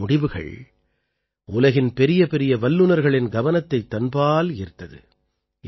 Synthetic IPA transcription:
ʊɽɪʋɯɣɐ̰ɭ | ʊlɐɣɪnpɛɾɪjɐpɛɾɪjɐʋɐlːɯnɐɾɣɐɭɪnɡɐʋɐnɐt̪ːɐɪt̪ːɐnbaːlɪɾt̪ːɐðɯ̰

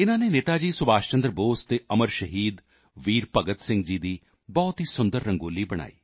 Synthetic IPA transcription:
ɪnãːneːneːt̪aːd͡ʒiːsʊbaːʃt͡ʃənd̪ɾboːst̪eːʔəməɾʃəɦiːd̪ | ʋiːɾpəɡət̪sɪ̃ŋɡd͡ʒiːd̪iː | bɔːt̪ɦiːsʊnd̪əɾːə̃ŋɡoːliːbəɽ̃a̰ːḭː

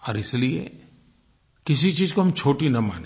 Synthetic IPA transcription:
ɔːɾɪsliḛ | kɪs̬it͡ʃiːzkoɦɐmt͡ʃʰoːʈinɐma̰ːne

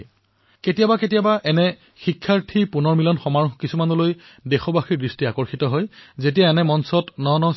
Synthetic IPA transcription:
ketijabaketijabaʔɛnɛ | xikʰːaɹtʰipunɔɹmilɔnxɔmaɹɔxkisumanuloj | dexɔbaxiɹdɹistiakɔɹxitɔɦɔjzet̬ijaɛnɛmɔnsɔtnɔnɔ

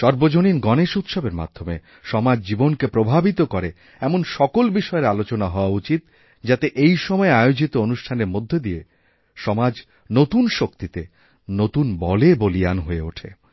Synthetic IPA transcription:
ʃɔɾbod͡ʑoninɡɔneʃut̪ʃobeɾma̰d̪ʱːome | ʃɔmad͡ʑd͡ʑibonkepɾobʱabit̪okoɾe | ɛmonʃɔkolbiʃɔeɾalot͡ɕonaɦɔoaut͡ɕit̪̚ | d͡ʑat̪eʔejʃɔmɔeaeod͡ʑit̪oonuʃʈʰaneɾmod̪ʱːed̪ie | ʃɔmad͡ʑ | not̪unʃokt̪it̪e | not̪unbɔlebolianɦoeoʈʰḛ

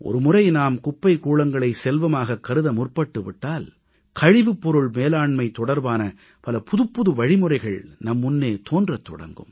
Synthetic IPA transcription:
ʔɔ̰ɾɯmʊrɐɪnaːmkʊpːɐɪkuːɭɐŋɡɐɭɐɪsɛlʋɐmaːɣɐkːɐɾɯðɐmʊrpɐʈːɯʋɪʈːaːl | kʰɐɻɪʋɯpːɔɾɯɭmeːlaːɳmɐɪt̪ːɔɽɐɾbaːnɐ | pɐlɐpʊðɯpːʊðɯʋɐɻɪmɯrɐɪɣɐɭnɐmːʊnːeːt̪oːndrɐt̪ːɔ̰ɽɐ̰ŋɡɯ̰m

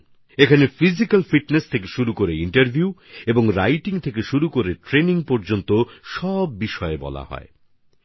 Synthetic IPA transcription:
ekʰanefizikalfiʈnest̪ʰekeʃuɾukoɾeiɳʈɐɾbʱjueboŋɾa̰jʈiŋt̪ʰekeʃuɾukoɾeʈɾeniŋpɔɾd͡ʑont̪oʃɔbːiʃɔebɔ̰la̰hɔ̰e

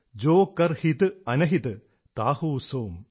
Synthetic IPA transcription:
d͡ʒoːkːɐɾhit̪ɨɐnɐɦit̪ɨ | t̪aːhuːsoːm

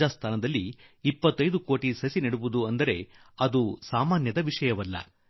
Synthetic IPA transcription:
aːst̪ʰaːnɐd̪ɐlːiːpːɐt̪ːɐjd̪uko̞ːʈisɐsinɐɽuʋud̪uɐnd̪ɐɾe̞ | ɐd̪usaːmaːnjɐd̪ɐʋiʂɐjɐʋɐlːɐ̰

